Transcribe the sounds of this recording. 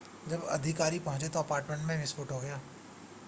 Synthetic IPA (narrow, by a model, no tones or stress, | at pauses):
d͡ʒɐbɐ̰d̪ʱɪkaːɾipɐɦʊ̃ɲt͡ʃet̪oɐpaːɾʈmẽɳʈmẽmɪspʊʈɦoɡɐjaː